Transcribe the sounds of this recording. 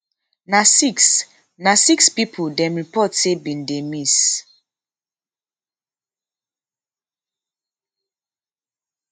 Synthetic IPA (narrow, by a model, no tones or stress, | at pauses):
nasiks | nasikspipʰudɛmɹipɔtsebĩndemis